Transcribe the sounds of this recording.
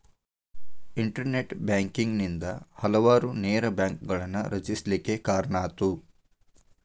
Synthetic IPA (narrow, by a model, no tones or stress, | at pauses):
iɳʈɐɾneʈbjaːŋkiŋɡnind̪ɐhɐlɐʋaːɾuneːɾɐbjaːŋkɡɐɭɐnːuɾɐt͡ʃislikːe̞kaːɾɳaːt̪u